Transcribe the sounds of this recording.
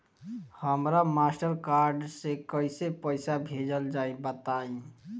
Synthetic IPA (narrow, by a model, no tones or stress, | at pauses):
həmɾamasʈəɾkaɾɖsekəɪsepəɪsabʱed͡ʒəld͡ʒaibət̪aĩ